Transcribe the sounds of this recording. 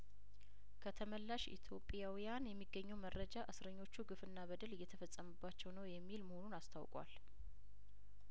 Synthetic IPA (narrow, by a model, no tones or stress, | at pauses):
kʰət̪ʰəməlːaʃḭt̪ʰjo̞pʼːjawijanjɛmːiɡːəɲːɛwmərːəd͡ʒaʔɨsɾəɲːo̞t͡ʃːuɡɨfɨnːaβəd̪əlɨjːɛt̪ʰəfət͡sʼːəməbːat͡ʃːɛwnəwjɛmːilməhonunast̪ʰawkʼwa̰l